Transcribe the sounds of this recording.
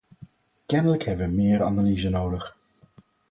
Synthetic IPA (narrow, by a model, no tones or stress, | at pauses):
kɛnələkɦɛbəʋəmɪːrɑ̰naliːzənowdəχ